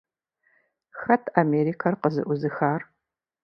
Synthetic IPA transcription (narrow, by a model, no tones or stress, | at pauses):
xɐtʰameːɾikʰɐrqəzɨ̰ʔʷʊzɨxaːr